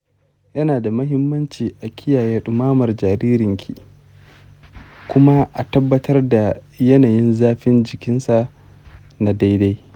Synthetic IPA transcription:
jɐ˦naː˨da˨mɐ˦ɦɪ˦mːɐ˦nt͡ʃiː˨ʔa˨kʲʰɪ˦jaː˨jeː˦ɗʊ˨maː˦mɐ˨rd͡ʒaː˨ɾiː˦ɾɪ˨ŋkʲʰḭ˨ | kʷʊ˦ma˦ʔa˨tɐ˦bːɐ˦tʰɐ˦rda˨ | jɐ˦naː˨jɪ˦nzaː˦ɸɪ˦nd͡ʒɪ˨kʲɪ˦nsa˨ | na˨da˦jda˦j

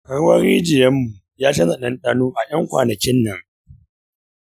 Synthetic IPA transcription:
kɐ˦ɽwɐ˦ɾiː˦d͡ʒɪ˨jɐ˦mːu˨ | jaː˦t͡ʃɐ˦zɐ˨ɗɐ˦nɗaː˦nuː˦ʔa˨jɐ˦ŋkʷa̰ː˨nɐ˨kʲɪ˦nːɐ˨ŋ

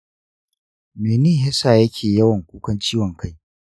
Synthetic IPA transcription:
meː˨niː˦˨ɦɪ˦saː˨jɐ˦kʲʰeː˨jɐ˦wɐ˨ŋkʷuː˦kʷɐ˦nt͡ʃiː˦wɔ˨ŋkʰa˦j

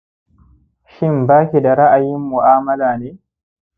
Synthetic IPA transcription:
ʃɪ˦mbaː˦kʲi˨da˨ɾa˦ʔa˨jɪ˦mːu˨ʔaː˦mɐ˦laː˨neː˦

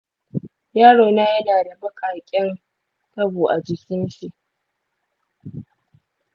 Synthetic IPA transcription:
jaː˦ɽoː˨na˦jɐ˦naː˨da˨bɐ˦kʰaː˨kʲʼɛ˦r | ta˦buː˨ʔa˨d͡ʒɪ˨kʲɪ˦nʃi˨ʔ

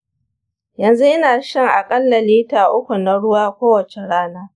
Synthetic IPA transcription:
jɐ˨nzu˦ʔɐ˦naː˨ʃɐ˦ŋʔa˨kʼɐ˦lːa˨liː˦taː˨ʔʊ˦kʷu˨na˦ɽʊ˦waː˦kʷoː˦wɐ˨t͡ʃe˨ɽaː˦naː˦

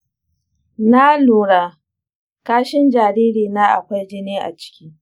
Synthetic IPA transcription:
na˦luː˨ɽaː˦˨ | kaː˦ʃɪ˦nd͡ʒaː˨ɾiː˦ɾiː˨naː˦ʔa̰˨kʷa˦jd͡ʒɪ˦neː˦ʔa̰˨t͡ʃɪ̥˦kʲiː˦

